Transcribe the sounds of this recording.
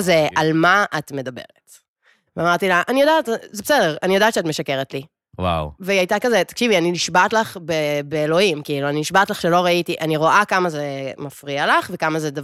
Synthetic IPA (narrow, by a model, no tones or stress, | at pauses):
zeʔalmaʔatme̞dabe̞̰ʁet | veamaʁtilaʔanijodaːtzebesedeʁanijd̪aːtʃeatme̞ʃakeʁetli | wa̰wveajtakazet̪ḁkʃivianiniʃbaːtlaχbebeːlo̞himkiiluaniniʃbatlaχʃelo̞ʁaitiʔaniʁo̞ʔakamazemafʁialaχve̞kamazedav